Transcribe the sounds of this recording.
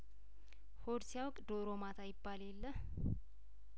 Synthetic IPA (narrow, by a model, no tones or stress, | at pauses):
hod̪sijawkʼd̪oɾomat̪ʰajɪbːalelːəh